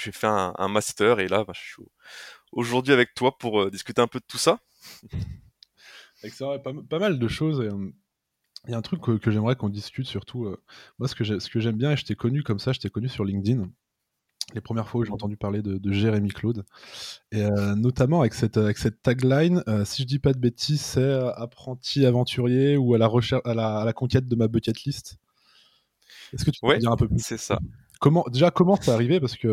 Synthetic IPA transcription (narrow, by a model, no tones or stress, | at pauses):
ʒefɛɛ̰̃ɛ̰̃mast̪œʁelabɛ̃ʒəsɥio | oʒuʁd̪ɥiavɛk̚t̪wapuʁød̪iskʲyt̪eɛ̃pød̪ət̪usa | ɛksɛʁɛpampamald̪əʃozeəm | jaɛ̃t̪χykːəkːəʒɛmʁɛkɔ̃d̪iskʲyt̪syʁt̪ʰuømwasə̥kəʒɛsə̥kəʒɛmbjɛ̃eʒet̪ɛkɔnykɔmsaʒet̪ɛkɔnysyʁlĩŋd̪in | lepχəmjɛʁfwauʒeɑ̃t̪ɑ̃d̪ypaʁled̪əd̪əʒeʁemiklod̪ | eønɔt̪amɑ̃avɛksɛt̪øavɛksɛt̪ːaɡlajnøsiʒəd̪ipad̪əbet̪ʰizsɛøapχɑ̃t̪ʰiavɑ̃t̪ʰyʁjeualaʁəʃɛalaːlakɔ̃kʲɛt̪̚d̪əmabøkʲɛt̪list̪ | ɛskət̪y̥pøɛd̪iʁɛ̃pøplysɛsa̰ | kɔmɑ̃d̪eʒakɔmɑ̃sɛaʁivepaʁsə̥kə